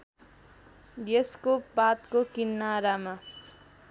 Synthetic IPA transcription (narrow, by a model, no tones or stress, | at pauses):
bjeskopat̪kokinːaɾama